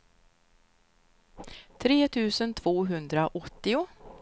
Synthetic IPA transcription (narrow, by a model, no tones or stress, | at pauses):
t̪ʰɾeːt̪ʰʉ̟ːsənt̪ʰv̥oːɦɵnd̪ɾaʔɔt̪ːɪʊ